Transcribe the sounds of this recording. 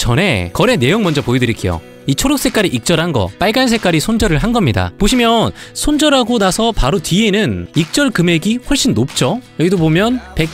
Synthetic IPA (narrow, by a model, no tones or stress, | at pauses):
t͡ɕʌne̞kʌɾe̞ne̞joŋmʌnd͡ʑʌpoidɯɾikʰe̞jo̰ | it͡ɕʰoɾjok̚s͈e̞k͈aɾiʔik̚t͡ɕ͈ʌɾɦanɡʌ̰p͈aɭɡans̬ʰe̞k͈aɾisʰond͡ʑʌɾɯɭɦanɡʌmɲida̰poɕʰimjʌnsʰond͡ʑʌɾɦaɡonasʰʌpaɾotɥie̞nɯnik̚t͡ɕ͈ʌɭkɯme̞ɡiɸʌɭɕ͈inːop̚t͡ɕ͈ojʌɡidobomjʌnpe̞k̚